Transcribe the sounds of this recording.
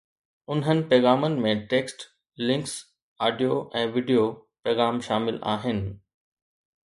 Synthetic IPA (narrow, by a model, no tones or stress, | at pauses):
ʊnɦənɪ̆pɛːɣaːmənɪ̆mẽʈeːksʈ | lɪ̃ŋks | aːɖijoʔɛ̃ːʋiːɖijopɛːɣaːmʃaːmɪla̰ːɦɪnɪ̆